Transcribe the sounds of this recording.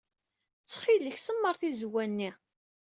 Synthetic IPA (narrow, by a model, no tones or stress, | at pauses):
t͡sːχiləçsəmːəɾˤθizwænːi